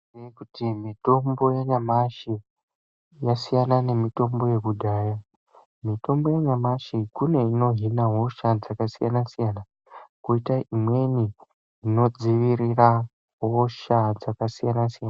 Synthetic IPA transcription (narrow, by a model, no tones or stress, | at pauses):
ekutimito̞mbo̞jeɲamaʃi | jasijanane̞mito̞mbo̞je̞kudʱaːja | mito̞mbo̞jeɲamaʃikune̞ino̞ɦinaɦo̞ʃad͡zakasijanasijana | koitaʔimwe̞ni | ino̞d͡ziʋirira | ɦoʃad͡zakasijanasijana